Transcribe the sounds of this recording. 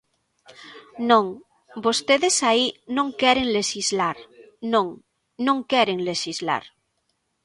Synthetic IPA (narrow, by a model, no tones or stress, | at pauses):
nõŋ | bost̪eðesainõŋkɛɾeŋleʃizlaɾ | nõŋ | nõŋkɛɾeŋleʃizla̰ɾ